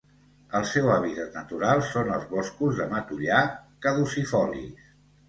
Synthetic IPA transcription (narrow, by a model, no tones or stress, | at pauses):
əlˠsɛwaβit̪at̪nət̪uɾalˠsonə̰lˠzβɔskuzðəmət̪uʎakəðusifɔlḭs